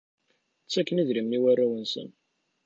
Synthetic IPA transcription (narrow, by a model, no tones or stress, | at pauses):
t͡sːækːəniðɾimniwærːawənsə̰n